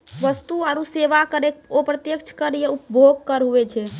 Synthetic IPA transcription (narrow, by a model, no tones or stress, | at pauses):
ʋəst̪uaɾuseʋakəɾek̚opɾət̪jəkt͡ʃʰkəɾijeupbʱoɡkəɾɦuɛt͡ʃʰɛ